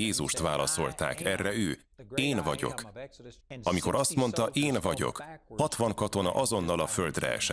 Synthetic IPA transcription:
eːzuʃt̪ʋaːlɒso̞lt̪a̰ːkɛrːɛøː | eːnvɒɟo̞̰k | ɒmiko̞ɾɒst̪mo̞nt̪ɒʔeːnvɒɟo̞̰khɒt̪ʋɒŋkɒt̪o̞nɒ̰ʔɒzo̞nːɒlɒfø̞ld̪rɛ̰ɛ̰ʃɛ

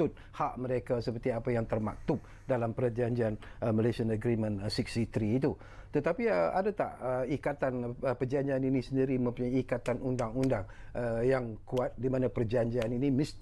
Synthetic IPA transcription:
ʊt̪̚ | haʔməɾekasəp̬ərt̪iapajaŋt̪ərma̰k̚t̪ʊp̚ | dalampərd͡ʒaɲd͡ʒian | əməlesianəɡɾimə̃nsik̚sit̪ɾiːt̪u | t̪ət̪apiəa̰dat̪a̰ʔəikat̪anəpərd͡ʒaɲd͡ʒianinisəndiɾimə̃mpuɲajikat̪anundaŋundaŋ | əjaŋkuat̪̚dimanapərd͡ʒaɲd͡ʒianinimist̪

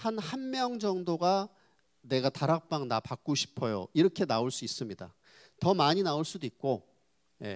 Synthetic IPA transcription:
hanhanmjʌŋd͡ʑʌŋdoɡa | ne̞ɡataɾak̚p͈aŋnapak̚k͈oɕʰi̥pʰʌjo̰iɾʌkʰe̞naoɭs͈uis͈ɯmɲida | tʌmaɲinaoɭs͈udoit̚k͈o | je̞̰

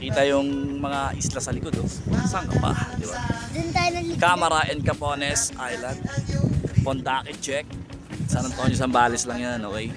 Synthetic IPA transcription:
kiːt̪ɐjʊŋmɐŋaʔɪslasɐlɪkod̪oʊnsaŋkɐpa̰d̪ɪba̰d̪ʊnt̪aːjonɐkamɐɾɐʔɛnd̪̚kɐpoːnɛsʔajlɐnd̪̚pont̪aːkɪd͡ʒɛk̚ | sanɐt̪oɲos̬ɐmbaːlɪslɐŋjanokɛj

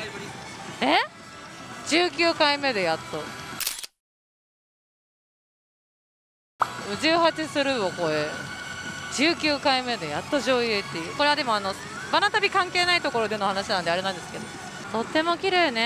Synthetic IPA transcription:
e | d͡ʑɨːkʲɨːkaime̞d̪e̞jat̪ːo | d͡ʑɨːhat͡ɕisɨɾɯ̟oko̞e | d͡ʑɨːkʲɨːkaime̞d̪e̞jat̪ːoʑo̞ːjɯt̪ːe̞jɯ̟ko̞ɾe̞β̞ad̪e̞mo̞ano | banat̪abʲikãŋke̞ːnait̪o̞ko̞ɾo̞d̪e̞no̞hanaɕinand̪eaɾe̞nãnd̪e̞sɨ̥ke̞d̪o | t̪o̞t̪ːe̞mo̞kʲiɾeːne

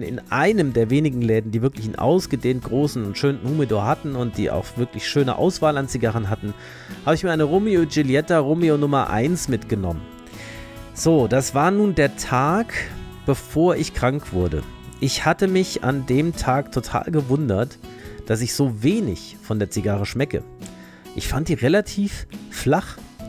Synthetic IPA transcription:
nɪ̰nʔaɪnəmdeːɐveːnɪɡŋ̩lɛːdn̩diːvɪɐklɪçɪnʔa̰ʊsɡ̥ədeːnt̚ɡ̥ʁoːsn̩ʊntʃøːnn̩humidoɐhatn̩ʊnt̚d̥ḭːʔa̰ʊxv̥ɪɐklɪçʃøːnə̰ʔa̰ʊsv̥aːlant͡siɡaʁ̞ənɦatn̩ | haːbəɪçmiːɐaɪnəʁoːmeod͡ʒiljɛtaʁoːmeonʊmɐʔa̰ɪnsmɪtɡ̥ənɔ̰mən | z̥oːd̥asv̥aːɐnuːndeːɐtʰaːk | b̥əfoːɐʔɪçkʁ̥aŋkv̥ʊɐdə̰ | ʔɪçhatəmɪça̰ndeːmtʰaːktʰotʰa̰ːlɡəvʊndɐtd̥as̬ɪçz̥oːveːnɪ̰çfɔndeːɐt͡siɡaʁ̞əʃmɛkə̰ | ʔɪçfant̚d̥iːʁelatʰiːfflaχ

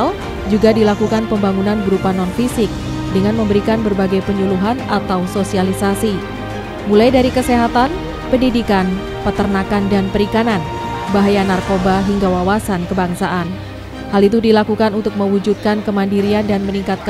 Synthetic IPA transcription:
l | d͡ʒuɡadilakukanpəmbaŋunanbəɾupanɔnfisɪk̚ | dəŋanməmbəɾikanbərbaɡajpəɲuluɦanat̪awsosialisasi | mulajdaɾikəseɦat̪an | pəndidikan | pət̪ərnakandanpəɾikanan | baɦajanarkobaɦiŋɡawawasankəbaŋsaʔan | halit̪̬udilakukanunt̪ʊk̚məwud͡ʒut̪̚kankəmandiɾiandanməniŋkat̪̚k

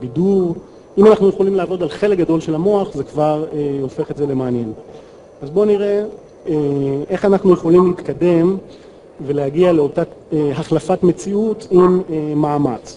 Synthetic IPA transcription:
biduʁ | imanaχnujeχolimleaːvo̞dalχe̞lek̚ɡado̞lʃe̞lamo̞aχze̞kvaʁeo̞fe̞χetze̞le̞maːnje̞n | azbo̞niʁe̞ | ee̞χanaχnujeχo̞limliːtkade̞m | ve̞lehaɡiale̞o̞taeɦaχlafatme̞t͡siutimeːaːmat͡s

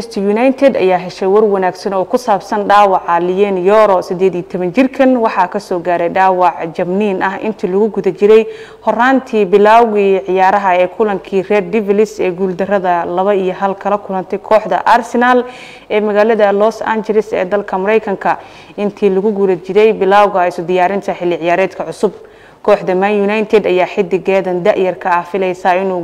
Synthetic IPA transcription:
st̪ʰjunajt̪ʰɛd̪ɐ̰jaːɦɛʃɛjwɐrwɐnaːɡsɐnɔːkʰʊsaːbsɐnɖaːwɑʕɑlɪjɛːnjɔːɾɔsɪd̪ɛːd̪iːt̪ʰɔβɐnt͡ʃɪrkʰɐnwɑħɑːkʰɐsɔːɡaːɾɛjɖaːwɑʕd͡ʒɐmniːnɐɦɪ̰nt̪ʰiːlʊɣʊɡʊðɐt͡ʃɪɾɛj | hɔraːnt̪ʰiːbɪlaːwwiʕɪjaːɾɐɦɐɛːkʰʊlɐŋkʰiːrɛd̪̚dɪvɪlɪsɛːɡuld̪ɐrɐðɐlɐβɐijɞɦɐlkʰɐlɐkʰʊlɐnt̪ʰɛjkʰɔːħd̪ɐ̰ʔarsɛnal | ʔɛːmɐɣaːlɐðɐlɔsa̰ːnt͡ʃɛlɪsɛ̰ːd̪ɐlkʰɐmɐɾɛjkʰɐŋkʰɐ | ɪnt̪ʰiːlʊɣʊɡʊðɐt͡ʃɪɾɛjbɪlaːwɣɐɪsʊd̪ɪjaːɾɪnt̪ʰɐħɪlːɪʕɪjaːɾɛːd̪kʰɐʕʊsʊb̚ | kʰɔːħd̪ɐmɐnjʊnajt̪ʰɛd̪ɐjaːħɪd̪ɪɡɛːðɐnd̪ɐʕjɐrkʰɐːhfɪlɛjsaːɪnuː

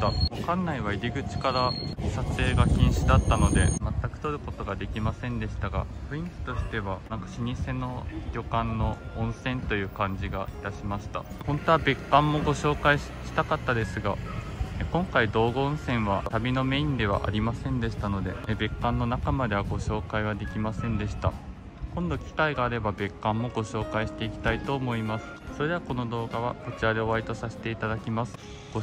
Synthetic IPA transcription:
aβakãnːaiβaiɾʲiɡɯ̟t͡ɕi̥kaɾaɕat͡sɨeːɡaçʲĩɰ̃ɕid̪at̪ːano̞d̪e̞mat̪ːakɯ̟̥t̪o̞ɾɯ̟ko̞t̪o̞ɡad̪e̞kʲimasẽ̞nd̪e̞ɕi̥t̪aɡa̰ɸɯ̟ĩŋkʲi̥t̪o̞ɕi̥t̪e̞β̞anãŋkḁɕiɲ̟ise̞no̞dʲo̞kãnːo̞ | õɰ̃sẽ̞nt̪o̞jɯ̟ːkãɲ̟d͡ʑiɡa̰it̪aɕimaɕi̥t̪a̰hõ̞nt̪o̞βabe̞kːãmːo̞ɡo̞ɕo̞ːkai | ɕi̥t̪akat̪ːad̪e̞sɨɡa | kõ̞ŋkaid̪o̞ːɡo̞õɰ̃sẽ̞ɰ̃βat̪abʲino̞me̞ĩnd̪e̞β̞a̰ʔa̰ɾʲimasẽ̞nd̪e̞ɕi̥t̪ano̞d̪e̞be̞kːãnːo̞nakamad̪e̞βaɡo̞ɕo̞ːkaiβ̞ad̪e̞kʲimasẽ̞nd̪e̞ɕi̥t̪a̰ | kõ̞nd̪o̞kʲi̥kaiɡaːɾe̞babe̞kːãmːo̞ɡo̞ɕo̞ːkaiɕi̥t̪e̞ikʲi̥t̪ait̪o̞ːmo̞imasɨ̥so̞ɾe̞βako̞no̞d̪o̞ːɡaβ̞a̰ko̞t͡ɕiɾaɾeoβait̪o̞sase̥t̪e̞it̪ad̪akʲimasɨ̥ | ɡo

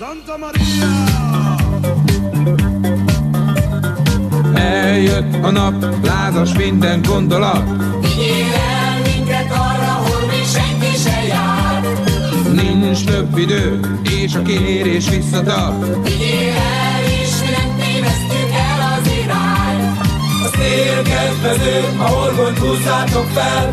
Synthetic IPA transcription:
ɛljøt̪ːɒnɒp | laːzɒʃmind̪ɛŋɡo̞nd̪o̞lɒt̪ | id̪eːvɛ | lmiŋk̪ɛk̪ɒrːɒɦolmiʃɛŋkiʃɛjaː | r | nint͡ʃt̪øbːid̪øː | eːʃkeːɾeːʃʋisːɒt̪ɒrt̪ | id̪eːvɛ | leːʃinɛneːvɛst̪ykɛlɒzeːlaːɾ | ɒseːlkɛt̪ɛzøː | ɒorɦoɲpuːzaːt̪o̞kfɛl

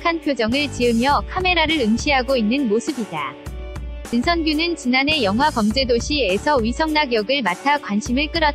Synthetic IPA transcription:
kʰanpʰjod͡ʑʌŋɯɭt͡ɕiɯmjʌkʰame̞ɾaɾɯɾɯŋɕʰiɦaɡoinːɯnmosʰɯbida | t͡ɕɯnsʰʌnɡjunɯnt͡ɕinane̞jʌŋɦwakʌmd͡ʑe̞doɕʰie̞sʰʌɥisʰʌŋnaɡjʌɡɯɭmatʰakwanɕʰimɯɭk͈ɯɾʌt

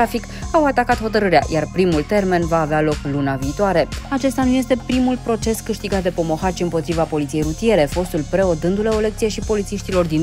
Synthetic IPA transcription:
afik | awat̪akat̪ho̞t̪əɾɨɾea̰jarpɾimult̪e̞rme̞nvaːvealo̞klunaviːt̪oaɾe̞at͡ʃe̞st̪anuje̞st̪e̞pɾimulpɾo̞t͡ʃe̞skɨʃt̪iɡat̪̚d̪e̞po̞mo̞xat͡ʃiɨmpo̞t̪ɾivapo̞lit̪sije̞jɾut̪ije̞ɾe̞fo̞st̪ulpɾe̞o̞d̪ɨnd̪ule̞ole̞kt̪sijeʃipo̞lit̪siʃt̪ilo̞rd̪in

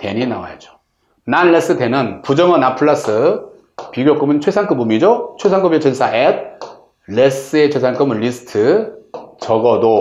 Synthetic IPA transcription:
te̞ɲinawa̰jed͡ʑo̥ | nanːes͈ɯtenɯnpud͡ʑʌmʌnapʰɯɭːas͈ʰɯ | piɡjok͈ɯmɯnt͡ɕʰwesʰaŋk͈ɯbumid͡ʑot͡ɕʰwesʰaŋk͈ɯbet͡ɕʰensʰaʔed̚ | les͈ɯet͡ɕʰwes̬ʰank͈ɯmɯnlːisʰɯ̥tʰɯ | t͡ɕʌɡʌdo

